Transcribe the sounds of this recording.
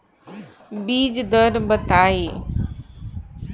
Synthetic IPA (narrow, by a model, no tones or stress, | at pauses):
biːd͡ʑd̪əɾbət̪aːiː